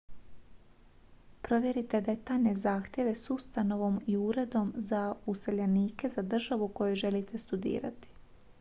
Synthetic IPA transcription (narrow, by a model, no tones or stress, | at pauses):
pɾo̞ʋje̞ɾit̪e̞d̪e̞t̪aʎne̞zaːxt̪je̞ʋe̞sust̪ano̞ʋo̞miuɾe̞d̪o̞mzauseʎaniːke̞zad̪r̩ʒaʋuko̞juʒe̞lit̪e̞st̪ud̪ḭːɾat̪i̥